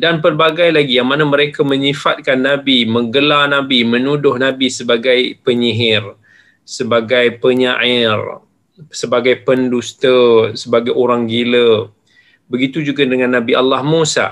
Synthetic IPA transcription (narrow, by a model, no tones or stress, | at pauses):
danpərbaɡajlaɡijaŋmanaməɾekamə̃ɲifat̪̚kanːabiməŋɡəlanãbimənudʊhnabisəbaɡajpəɲiɦɪr | səbaɡajpəɲaʔɪr | səbaɡajpəndust̪əsəbaɡajoɾaŋɡilə | bəɡit̪ud͡ʒuɡadəŋãnːabialːahmosa̰